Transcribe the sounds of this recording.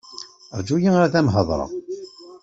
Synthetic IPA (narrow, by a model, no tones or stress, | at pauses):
əɾˤd͡ʒujiŋaɾæθæmɦəðˤɾˤɑ̰